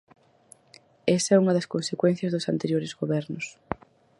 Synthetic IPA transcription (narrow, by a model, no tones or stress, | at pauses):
ɛsɐɛuŋɐðɐskonsekwɛnθjɐzðʊsant̪eɾjoɾɪzɣoβɛɾnʊs